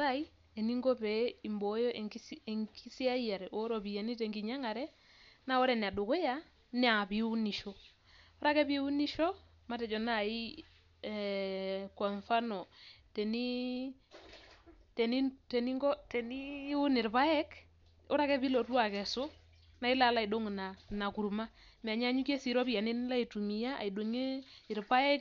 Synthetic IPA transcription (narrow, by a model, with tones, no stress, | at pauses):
a˦i˦ | e˨ni˦ŋɡɔ˦pɛ˨i˨mbɔ˨˦jɔ˦ʔe˨isŋki˦si˦a˦ja˨ɾɛ˨ʔo˦ɾo˨bi˨ja˨ni˦te˨ŋɡi˨ɲa˦ŋa˨ɾɛ˦ | na˦ɔ˦ɾɛ˨ni˨a˨du˨ko˦ja˦ | nɛ˦a˨bi˨u˦ni˨ʃo˦ | ɔ˦ɾa˦kɛ˦bi˦u˦ni˦ʃɔ˦ | ma˦tɛ˨d͡ʒɔ˨na˦˨i˦ | kwa˨ɱfa˦nɔ˨tɛ˨ni˦ | tɛ˨ni˦tɛ˨ni˦ŋɡɔ˦tɛ˨ni˦u˦ni˨ɾpa˦ɛ˦k | ɔ˦ɾa˦kɛ˦pi˦lo˨twa˨kɛ˨so˦ | na˨i˦la˨˦la˦i˨do˦ŋ˨na˨na˨ku˨ɾma˦m˨a˨ɲ˦a˦ɲu˦ke˦si˨ɾɔ˦bi˦ja˨ni˦n˦la˦i˨tu˨mi˨ja˦a̰˨i˨do˨ŋe˦ɪ˨ɾpa˦ɛ˦k